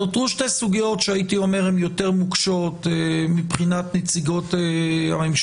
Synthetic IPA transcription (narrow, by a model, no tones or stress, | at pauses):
otuʃtesuɡijo̞tʃeait̪io̞me̞ʁemjo̞te̞ʁmukʃo̞temipχinatnet͡siɡo̞ta̰memʃ